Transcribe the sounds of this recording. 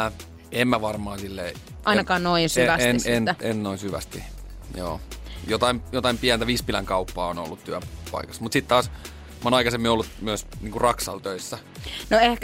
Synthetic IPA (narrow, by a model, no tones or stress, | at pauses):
emmæʋɑrmɑːsilːei | ʔɑinɑkɑːnnoinsyʋæseenennoinsyʋæ̰st̪i | jo̰ːjot̪ɑimjot̪ɑimpiænt̪æʋiːspilæŋkɑupːɑːono̰lːut̪t̪yæpɑ̰ikɑ̥smut̪sit̪t̪ɑːs | mɑoːnɑikɑsemːiolːut̪myæsniːŋkurɑksɑ̰lt̪øisːæ | noehk